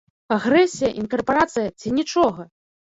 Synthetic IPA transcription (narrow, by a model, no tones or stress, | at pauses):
aɣɾɛsʲijɐʔinkɐrpaɾat̪sɨjɐt͡sʲinʲit͡ʂɔɣɐ